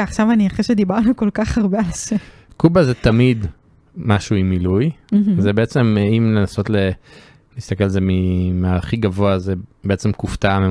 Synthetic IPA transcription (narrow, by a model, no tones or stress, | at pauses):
aχʃavaniaχeʃed̪ibaʁnuko̞lkaχaʁbealse | kubazet̪amid̪ | maʃuimːilujzebeet͡se̞mimlenaso̞t̪le | liːst̪akelalzemimaaχiɡavoazebeet͡se̞mkuftame